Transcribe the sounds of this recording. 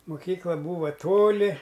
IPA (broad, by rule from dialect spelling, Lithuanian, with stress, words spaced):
mʊˈkʲiːklˠɐ ˈbuːʋɐ ˈtoːlʲɪ